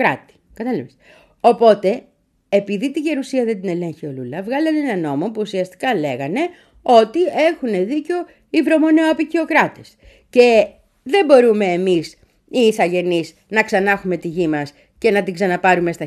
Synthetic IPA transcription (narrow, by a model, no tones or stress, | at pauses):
ɾɐt̪i̥kɐt̪ɐlives | o̞po̞t̪e̞ː | piðit̪iʝe̞ɾusiɐðet̪ine̞le̞ɲçio̞lulɐvɣɐlɐnenɐno̞mo̞puːsiɐst̪i̥kɐle̞ɣɐne̞ | o̞t̪ie̞xune̞ðiceo̞ | ivɾo̞mo̞neoɐpicio̞kɾɐt̪es | ce̞ | ðe̞bo̞ɾume̞ːmis | iːsɐʝe̞niz | nɐksɐnɐxume̞t̪iʝimɐs | ce̞nɐt̪iɡsɐnɐpɐɾume̞st̪ɐ